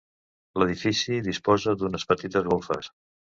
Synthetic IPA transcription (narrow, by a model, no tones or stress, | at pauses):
ləð̞ifisiðispɔzəd̪unəspət̪it̪əzɣolˠfə̰s